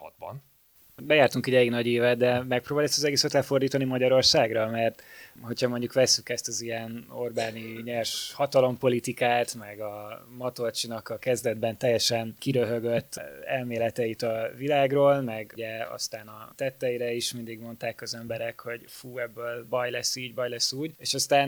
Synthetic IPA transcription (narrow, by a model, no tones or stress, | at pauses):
ɒ̰d̪bɒ̰n | bɛjaːrt̪uŋkiɟɛliɡnɒɟeːvɛt̪̚d̪ɛmɛk̚proːbaːlɛst̪ɒzɛɡeːsɛt̪lɛfo̞rd̪iːt̪ɒnimɒɟɒɾo̞rsaːɡrɒmɛrt̪ho̞chɒmo̞ɲɟukʋɛsːykɛst̪ɒzijɛno̞̰rbaːniɲɛrʃhɒt̪ɒlo̞mpo̞lit̪ikaːt̪mɛɡɒmɒt̪ort͡ʃinɒkɒkɛzd̪ɛd̪bɛnt̪ɛjɛʃɛnkiɾøɦøɡøt̪ːɛ̰lmeːlɛt̪ɛit̪ɒvilaːɡroːlmɛɡɟɛɒ̰st̪aːnɒt̪ɛt̪ːɛiɾɛiʃmind̪iɡmo̞nt̪aːkɒzɛmbɛɾɛkho̞ɟfuːɛbːøːlbɒjlɛsːiːɟbɒjlɛsːuːɟeːʃɒst̪aːn